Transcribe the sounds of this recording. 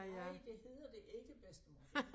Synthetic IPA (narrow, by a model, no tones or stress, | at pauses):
jæd̥e̝he̝ð̰ˠɐd̥e̝ʔe̝ɡ̥əb̥esd̥mɒ